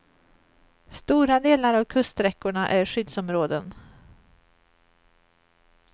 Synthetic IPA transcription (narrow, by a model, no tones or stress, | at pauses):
st̪uːɾad̪eːlaɾavkʰɵst̪ɾɛkːʊɳaʔæɾɧʏd̪sɔmɾoːd̪ən